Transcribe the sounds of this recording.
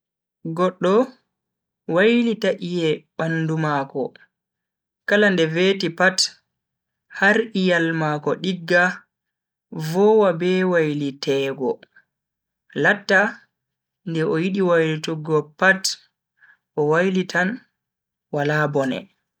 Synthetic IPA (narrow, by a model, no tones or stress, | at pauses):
ɡɔɗːɔ | wajlitaʔijɛɓanːdumakɔ̰ | kalandɛvetipat | haɾʔijalmaːkɔɗiɡːa | vɔwabɛwajlitɛːɡɔ | latːa | ndɛʔɔjiɗiwajlituɡɔpat | ʔɔwajlitʰan | walaːbɔnɛ̰